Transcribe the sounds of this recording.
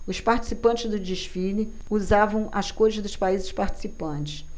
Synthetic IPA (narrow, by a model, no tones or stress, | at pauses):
ʊspaɾt͡ʃi̥sipɐ̃nt͡ʃɪzd̪ʊd͡ʒiʃfilɪ | uzavɐ̃w̃ʔɐskoɾɪzd̪ʊspaizɪspaɾt͡ʃi̥sipɐ̃nt͡ʃɪ̥s